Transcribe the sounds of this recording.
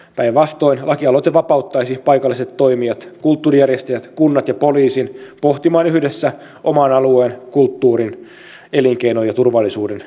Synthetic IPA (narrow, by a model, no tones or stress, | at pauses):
pæjʋɑst̪o̞inlʔɑkiɑlot̪eʋɑpɑut̪ːɑjsipɑjkɑlːiset̪t̪ːo̞imiɑt̪kult̪ːuːrijærjest̪ejæt̪kunːɑt̪jɑpo̞liːsinpo̞ht̪imɑːnyhdesːæ | ʔo̞mɑːnɑlueːnkult̪ːuːɾin | e̞liŋkejno̞jɑt̪urʋɑlːisuːden